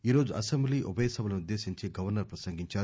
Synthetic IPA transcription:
iːɾoːd͡ʒuʔɐsembliːʔubɐjesɐbɐlɐniud̪ːe̞ːsiɲt͡ʃeːɡɐʋɐɾnɐɾpɾɐsɐŋɡiɲt͡ʃaːu

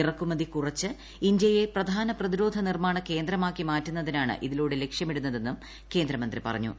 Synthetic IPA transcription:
irɐkːumɐðikurɐt͡ɕːɨ | iɲd͡ʑejeprɐd̪ʱaːnɐprɐðiɾo̞ːd̪ʱɐnirmaːɳɐke̞ːnd̪ɾɐmaːkːimaːtːunːɐðinaːɳɨ̰ʔiðiloːɽele̞kʂjɐmiɽunːɐðe̞nːum | ke̞ːnd̪ɾɐmɐnd̪ripɐ̰rɐ̰ɲːṵ

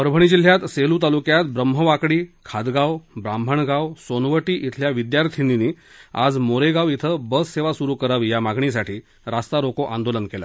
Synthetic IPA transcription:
əɾbʱəɳ̃id͡ʑil̤jat̪selut̪̬alukjat̪̚bɾəmɦəʋakɽiːkʰad̪ɡawbɾambʱəɳɡawsonʋəʈiːʔit̪ʰljaʋid̪jaɾt̪ʰininiː | a̰d͡zmoɾeɡaʋit̪ʰəbəsːeʋasuɾuːkəɾaʋiːjamaɡɳis̬aʈʰiː | ɾast̪aɾokoʔand̪olənkela̰

